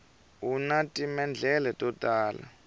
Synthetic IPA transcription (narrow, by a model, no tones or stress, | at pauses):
unatʼimɛnd͡ɮʱɛlɛtʼɔtʼaːla̰